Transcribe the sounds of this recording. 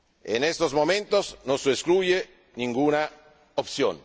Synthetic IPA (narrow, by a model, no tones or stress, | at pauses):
ḛnest̪ozmomẽnt̪oznõsueskluje | niŋɡuːna | opsjo̰n